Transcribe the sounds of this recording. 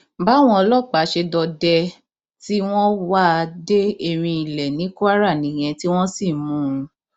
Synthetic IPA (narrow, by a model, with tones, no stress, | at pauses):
ba˨˦w̃ɔ̃˧ɔ˧lɔ˦˨k͡pa˨˦ʃe˧dɔ˧dɛ˧ | ti˦w̃ɔ̃˦wa˦˧de˦e˧ɾ̃ĩ˧i˨lɛ˨nĩ˨˦ku˦a˦ɾa˦˨nĩ˨j̃ɛ̃˨˧ti˦w̃ɔ̃˦si˦˨mũ˨˦ũ˧